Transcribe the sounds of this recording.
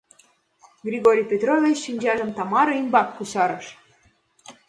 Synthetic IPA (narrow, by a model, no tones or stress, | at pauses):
ɡrʲiɣoɾʲijpʲet̪ɾovʲet͡ɕʃinʲd͡ʑɑʒə̆mt̪ɑmɑɾimbɑkːuɕɑɾɤ̆ʃ